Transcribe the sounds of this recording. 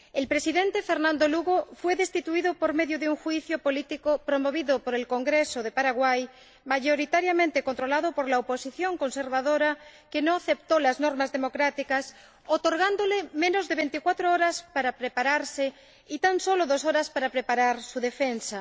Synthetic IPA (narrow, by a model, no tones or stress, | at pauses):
elpɾe̞siðẽ̞nt̪efe̞ɾnãnd̪oluɣofwe̞ðest̪it̪uiðopoɾme̞ðjoðeuŋxwiθjopo̞lit̪ikopɾomoβ̞iðopoɾe̞lko̞ŋɡɾesoðe̞paɾaɣwaj | maʝo̞ɾit̪aɾjamẽnt̪ekont̪ɾo̞laðopo̞ɾlaopo̞siθjo̞ŋkonse̞ɾβaðoɾake̞noaθe̞pt̪olaznoɾmazðe̞mo̞kɾat̪ikas | ot̪oɾɣand̪olemẽ̞nozðe̞βe̞nt̪ikwat̪ɾooɾaspaɾapɾepaɾaɾse | it̪anso̞loðo̞so̞ɾaspaɾapɾepaɾaɾsuðe̞fensa